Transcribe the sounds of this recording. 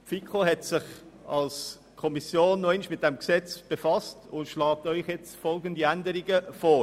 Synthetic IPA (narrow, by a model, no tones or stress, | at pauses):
fikʰoɦɛtsɪχɑls | kʰɔmisjoːnːɔɪnʃmɪt̚d̥ɛmksɛt͡sb̥efɑstʊntʃlɑːk̚tɔʏχjɛt͡stfɔlɡəndiændəɾiɡəfoː